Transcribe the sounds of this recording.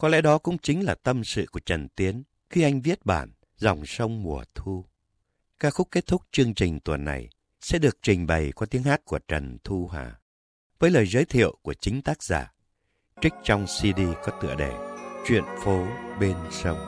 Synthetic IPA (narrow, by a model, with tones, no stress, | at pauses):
kɔ˨˧˦lɛ̰˧˥ɗɔ˨˦kʊ̰˧˥ŋ͡mt͡ɕï˨˦ŋ̟laː˨˩t̪ə˧msɨ̰˧˨ku˧˩ət͡ɕə˨˩nt̪i˨˦ən | xi˧ʔa˧jŋ̟vi˦˥ət̚ɓaː˧˩n | zɔ˨˩wŋ͡msə˧wŋ͡mmu˨˩ət̪ʰu˧ | kaː˦˥kxʊ˦˥k͡p̚kːe˦˥t̚t̪ʰʊ˦˥k͡p̚t͡ɕɨ˧əŋt͡ɕï˨˩ŋ̟t̪wə˨˩nːa̰˨˩j | sɛ̰˧˥ɗɨ˨˩ək̚t͡ɕï˨˩ŋ̟ɓə˨˩jkɔ˨˦t̪i˨˦əŋhaː˦˥t̚ku˧˩ət͡ɕə˨˩nt̪ʰu˧ɦa̰ː˨˩ | vəː˨˦jləː˨˩jzəː˨˦jt̪ʰḭ˧˨əwku˧˩ət͡ɕï˨˦ŋ̟t̪aː˦˥k̚za̰ː˧˩ | t͡ɕï˦˥k̟̚t͡ɕɔ˧wŋ͡msi˧ɗi˧kɔ˨˦t̪ɨ̰˧˨əɗe˧˩t͡ɕwḭ˧˨ənfo˨˦ɓe˧nsə˧wŋ͡m